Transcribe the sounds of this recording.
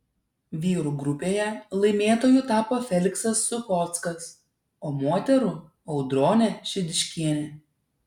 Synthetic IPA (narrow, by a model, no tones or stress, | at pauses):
ʋʲiːɾuːɡɾʊpʲeːjɛlˠɐɪmʲeːt̪oːjut̪ɑːpoːfʲɛlʲɪksɐsːʊkɔt̪skɐs | oːmoːt̪ʲɛɾʊ | ɐʊd̪ɾoːnʲɛʃʲɪd̪ʲɪʃʲkʲiɛnʲɛ